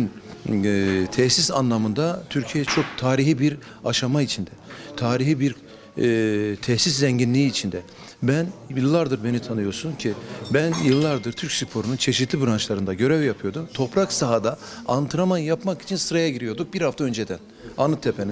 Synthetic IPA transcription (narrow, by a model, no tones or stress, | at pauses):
n | t̪ʰɛçsisa̰nlˠamɯnd̪at̪ʰyɾcʰijɛɛt͡ʃʰo̞k̚t̪ʰaːɾiɦibiɾ | aʃamait͡ʃʰind̪ɛt̪ʰaːɾiɦibiɾ | t̪ʰɛhsis̬zɛɲɟinlʲiːiːt͡ʃʰind̪ɛ | bænɯlˠːaɾd̪ɯɾbe̞nit̪ʰanɯjo̞suncʰibænjɯlˠːaɾd̪ɯɾt̪ʰyɾcʲsypʰo̞ɾununt͡ʃʰe̞ʃit̪ʰlʲibɯɾant͡ʃlˠaɾɯnd̪aɟø̞ɾɛvjapʰɯjo̞d̪umt̪ʰo̞pɾaksaɦad̪aant̪ʰɯɾamanjapmaki̥t͡ʃʰinsɯɾajaɟiɾijo̞ɾd̪uk̚biɾhaft̪aø̞nd͡ʒed̪æn | anɯt̪ʰːepʰeni